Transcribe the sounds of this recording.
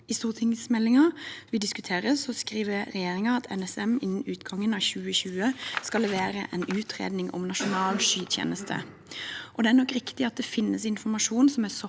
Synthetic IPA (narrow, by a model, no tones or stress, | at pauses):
ɪst̪uːʁt̪ʰɪŋsmɛlːɪŋɑʋɪd̪ɪskʉt̪ʰeːʁəsɔskɾiːʋəɾɛjeːɾɪŋɑɑt̪ʰɛ̰nɛsɛmɪnːən̩ʉːt̪ɡɑŋːənɑːçʉːəçʉːəskɑlɛʋeːɾə̰ʔɛnʉːt̪ʰɾḛːd̪nɪŋɔ̰mnɑʂʊnɑːlʃyːt̪ʰjḛːnəst̪ʰə̰ | ʔɔd̪ɛæɾnɔkːɾɪkt̪ɪɑt̪̚d̪ɛfɪnːəsɪnfɔmɑʂuːnsɔmæsɔ